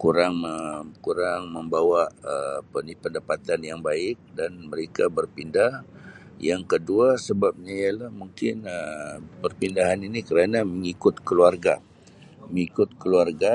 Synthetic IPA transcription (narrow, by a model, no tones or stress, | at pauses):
kuɾaŋkuɾaŋməmbawaəpənipəndapat̪anjaŋbaɪk̚danməɾekabərpindah | jaŋkəduasəbap̚ɲaialahmuŋkɪnəpərpindaɦaninikəɾanaməŋikʊt̪̚kəluarɡa | məŋikʊt̪̚kəluarɡa